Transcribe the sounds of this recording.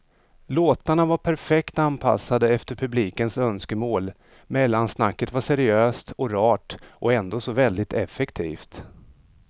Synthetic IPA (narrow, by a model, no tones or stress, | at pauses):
loːt̪aɳavaɾpʰæɾfɛkt̪anpʰa̰sːad̪əɛft̪əɾpʰɵbliːkənsœnskəmoːl | mɛlːansnakːət̪vaʂɛɾɪøːst̪ɔɾɑːʈʔɔɛnd̪oːsɔvɛld̪ɪt̪ʰɛfːɛkt̪ʰḭːft̪